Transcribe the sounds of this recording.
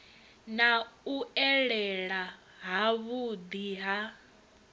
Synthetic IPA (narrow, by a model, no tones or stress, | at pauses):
nauɛɺɛɺa | ɦaβud̪iɦa